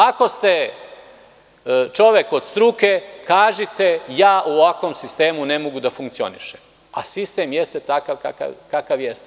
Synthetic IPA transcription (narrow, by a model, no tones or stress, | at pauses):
ako̞st̪e | t͡ʃo̞ʋe̞ko̞d̪st̪ɾukekaːʒit̪e̞jaːʔuʋakʋo̞ːmsist̪e̞ːmune̞moɡud̪afuŋkt̪sio̞̰nḭʃem | a̰sist̪e̞mjest̪et̪akaʋka̰ka̰kakaʋjest̪e